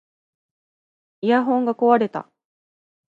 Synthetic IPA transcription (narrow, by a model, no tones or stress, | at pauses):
ijaɦõ̞ŋɡako̞βaɾe̞t̪a̰